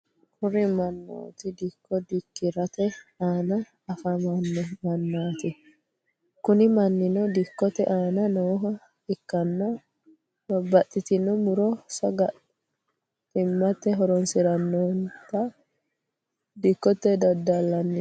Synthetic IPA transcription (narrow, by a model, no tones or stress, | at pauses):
kʰʊɾɪmɐnːo̰ːt̪ɪd̪ɪkːɔd̪ɪkːɪɾɐt̪ɛaːnɐ | ɐfɐmɐnːɛmɐnːaːt̪ɪ | kʊnɪmɐnːɪnɔd̪ɪkːɔt̪ɛʔaːnɐnoːɦɐ | ɪkːɐnːɔ | bɐbːɐt̪ʼːɪt̪ɪnɔmʊɾɔsɐɡɐ | t̪ɪmːɐt̪ːɛɦɔɾɔnsɪɾɐnːont̪ɐ | d̪ɪkːɔt̪ːɛd̪ɐd̪ːɐlːɐnːɪ